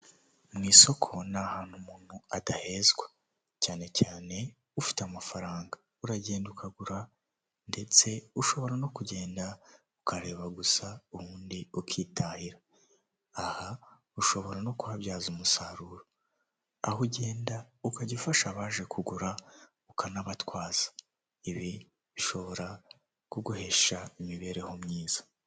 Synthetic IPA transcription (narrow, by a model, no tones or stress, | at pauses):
mŋiːso̞kʰo̞nahaːn̥humuːn̥huadahe̞zɡwa | caːne̞caːne̞ | ufi̥tamafaɾaːŋɡa | uɾaɟe̞ːndukʰaɡuɾa | nde̞t͡se̞uʃo̞βo̞ɾano̞kuɟe̞ːnda | ukaɾe̞ːβaɡusauβuːndiukʰiːtʰahiɾaː | ha | uʃo̞βo̞ɾano̞kuhaβjaːzumusaɾuːɾo | ahuɟeːndaukaɟifaʃaβaːʒe̞kʰuɡuɾa | ukanaβatwaːz̥ḁ | iβi | βiʃo̞βo̞ɾa | kuɡuhe̞ʃaimiβe̞ɾe̞ho̞mɲiːz̥ḁ